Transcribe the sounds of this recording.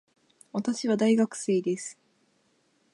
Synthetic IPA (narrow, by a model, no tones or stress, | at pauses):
βat̪aɕiβad̪aiɡakɯ̟̥se̞ːd̪e̞sɨ̥